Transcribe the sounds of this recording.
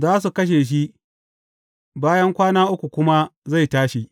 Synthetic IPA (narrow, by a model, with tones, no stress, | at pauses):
zaː˦s̬u˨kɐ˦ʃ̬eː˨ʃ̬i˦ʔ | baː˦jɐ˦ŋkʷaː˦naː˦ʔʊ˦kʷu˨kʷʊ˦ma˦za˦˨jtaː˦ʃi˨